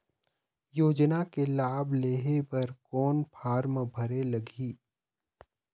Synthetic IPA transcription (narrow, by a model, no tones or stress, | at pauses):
joːd͡ʒnakelaːbʱleːɦepɐɾkɔːnpʰaːɾməbʱɐɾelɐɡʱiː